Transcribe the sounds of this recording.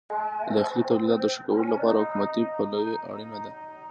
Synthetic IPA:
d̪əaxlit̪awlid̪ɑt̪̚d̪əʃakawəlolapɑɾahʊkumat̪ipalajeʔa̰ɽinad̪a

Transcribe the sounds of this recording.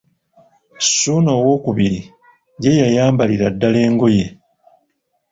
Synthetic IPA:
suːnoːwo̞ːkuβiɾi | je̞jajaːmbaliɾadːale̞ːŋɡo̞je̞

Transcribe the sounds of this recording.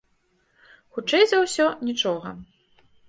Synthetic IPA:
xut͡ʂɛjzɐwsʲɔnʲit͡ʂɔɣɐ̰

